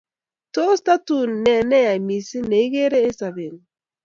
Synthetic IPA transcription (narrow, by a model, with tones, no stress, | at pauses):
to˦sta˦tu˦˨nːɛ˨nɛ˦ja˨i˨mi˨si˦ne˨i˦ɣe˦ɾe˦e˦sa˨βe˨ŋ